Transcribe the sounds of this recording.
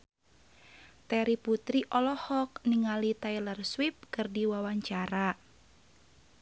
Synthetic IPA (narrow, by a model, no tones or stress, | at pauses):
t̪ɛɾiput̪ɾiʔɔlɔhɔk̚niŋalit̪ailərswip̚kɨrdiwawaɲt͡ʃaɾa